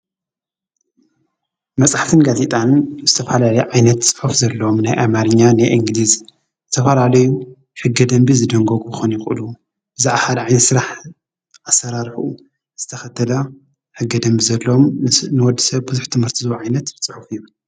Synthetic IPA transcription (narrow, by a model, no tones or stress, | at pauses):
mɐt͡sʼaħt̪ʰɨnɡazet̪ʼanzɨt̪ʰɐfɐlalɐjʕajnɐt̪t͡sʼɨ̥ħufzɐlːɐomnajʔamaɾɨɲːanajʔiŋɡliz | zɨt̪ʰɐfɐlalɐju | ħɨɡːɐd̪ɐmbizɨd̪ɐŋɡoɡubɨxonjɪxʼɨlu | ʔɨzɨʔahalʕajnɐt̪sɨɾaħ | ʔasːɐɾaɾħuu | z̥ɨt̪ʰɐxɐt̪ʰːɐlɐ | ħɨɡːɐd̪ɐmbizɐlːɐomnɨwɔd̪ːisɐβbɨzuħt̪ʰɨmhɨɾt̪ʰizɨoʕajnɐt̪t͡sʼɨħufɨjːu